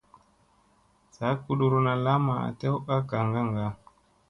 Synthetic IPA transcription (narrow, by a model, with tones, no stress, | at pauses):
sa˨˦ku˦ɗu˨ɾu˨na˨la˦ma˨a̰˨tɛ˦u˦ʔa˦ka˨ŋɡa˦ŋɡa˦